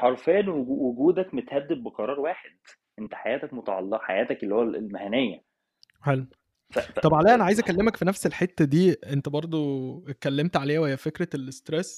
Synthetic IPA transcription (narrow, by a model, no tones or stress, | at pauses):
ħɑɾˤfæːnwwoɡuːd̪ækmet̪hæd̪ːeb̪̚beqɑɾˤɑːɾˤwaːħed̪ | ʔent̪æ̥ħajæːt̪ækmot̪ɑʕɑ̰lːeʔħa̰jæːt̪ækelːiːhowællmæhænejːæ | ħel | fæt̪ˤɑbʕalæːʔænæʕajezʔækælːemækfinæfselħet̪ːæd̪iːʔent̪æbɑɾˤd̪ˤokælːemt̪ʕaleːjæweejæfekɾælest̪ɾesː